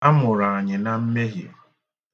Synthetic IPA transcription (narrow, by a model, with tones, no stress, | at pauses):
a˦mʊ˨ɾa˨a˨ɲɪ˨na˨m̩˦me˦ɦḭ˨